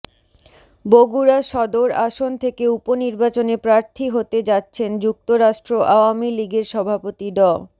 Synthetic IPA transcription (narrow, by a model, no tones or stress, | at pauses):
boɡuɾaʃɔd̪oɾaʃont̪ʰekeuponiɾbat͡ɕonepɾaɾt̪ʰiɦot̪ed͡ʑatːɕʰend͡ʑuk̚t̪oɾaʃʈɾoʔaoamiliɡeɾʃɔbʱapot̪iɖɔ